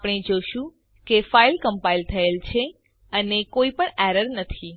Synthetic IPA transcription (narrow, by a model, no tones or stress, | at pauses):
pɽ̃ed͡ʒoʃũ | kefailkəmpailt̪ʰəelt͡ʃʰe | ənekoipəɳɛæɾəɾnət̪ʰi